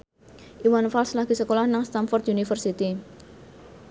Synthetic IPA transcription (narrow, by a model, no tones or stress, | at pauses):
ʔiwanfalslaɡ̥isəkolahnaŋst̪amfɔrt̪junifərsit̪i